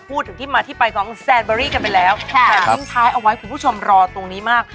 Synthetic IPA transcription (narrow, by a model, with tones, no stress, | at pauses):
pʰu˥˩t̪ʰːɯ˨˩˦ŋt̪iː˥˩maː˧t̪ʰiː˥˩pa˧jkʰɔː˩˦ŋsɛː˧nbɔː˧ɾiː˥˩ka˧npa˧jlɛː˦˥waː˨˩˧ŋt̪ʰaː˦˥jʔa˧wa˦˥jkʰu˧npʰu˥˩o˧mɾɔː˧t̪o˧ŋniː˦˥maː˥˩k̚